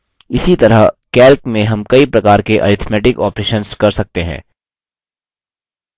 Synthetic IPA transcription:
ɪsit̪ɐɾəɦkɛːlkmẽɦɐmkɐipɾɐkaːɾkeʔɐ̰ːɾɪt̪ʰmɛːʈɪkɔːpɾeːʃənskɐɾsɐk̚t̪eɦɛ̰̃ː

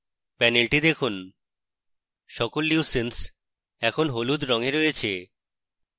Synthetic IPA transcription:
pɛnelʈid̪ekʰun | ʃɔkolːiusens | ɛkʰonɦolud̪ɾɔŋeɾoet͡ɕʰe

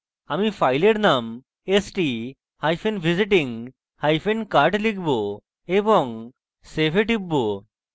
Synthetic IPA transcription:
amifʰajleɾnam | esʈi | hajfʰenbʱiziʈ̬iŋ | hajfenkaɾʈlikʰbo | eboŋ | sepʰeʈibːo

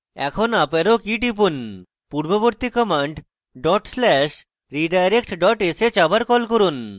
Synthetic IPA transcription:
ɛ̰kʰonapeɾokiʈipun | puɾboboɾt̪ikɔmaɳɖ | ɖɔʈslɛʃ | ɾiɖajɾek̚ʈɖɔʈeset͡ɕabaɾkɔlkoɾun

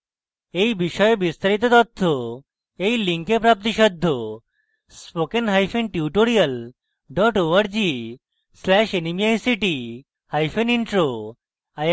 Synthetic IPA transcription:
eibiɕɔjbist̪aɾit̪̬ɔt̪ɔt̪ʰːo | eiliŋkepɾap̚t̪iɕəd̪ʱːo | spokenɦajfenʈiuʈoɾijəl | ɖɔʈoʋəɾd͡ʑi | slɛɕenimijajsiʈi | hajfeniɳʈɾo | a

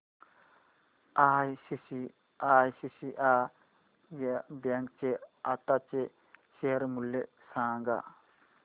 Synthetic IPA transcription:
aːjsisi | aːjsisiʔaː | bɐŋk̚t͡ʃeat̪at͡ʃe | ʃeːɾmulːe | saːŋɡa̰

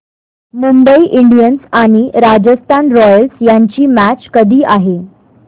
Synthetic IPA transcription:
mumbəiʔiɳɖijənsaɽ̃iɾad͡ʑəst̪ʰanɾɔjəlsjaɲt͡ɕiːmæt͡ɕkəd̪ʱiːʔaɦe

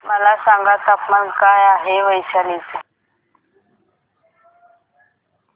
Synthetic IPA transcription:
malasaŋɡatapmaŋ̩kajaɦɪβait͡ʃʰaleːt͡sʼi

